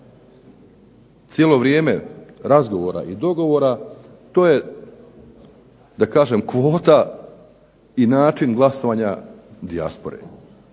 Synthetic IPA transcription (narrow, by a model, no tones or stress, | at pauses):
t̪sjelˠo̞ʋɾje̞ːme̞ɾazɡo̞ʋoːɾa̰ʔid̪o̞ɡo̞ʋo̞ːɾa | t̪o̞ːje̞ | d̪akaːʒe̞mkʋo̞ːt̪a | inaːt͡ʃinɡlˠasoʋaːɲad̪ia̰spo̞ɾḛ